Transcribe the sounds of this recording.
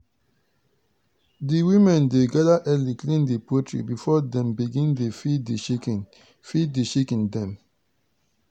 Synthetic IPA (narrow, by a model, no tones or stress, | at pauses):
diwimɛ̃ndeɡadaʔɛliklĩndipotɹḭbifɔdɛ̃mbiɡĩndefidiʃikn | fiddeʃikɛ̃ndɛ̃m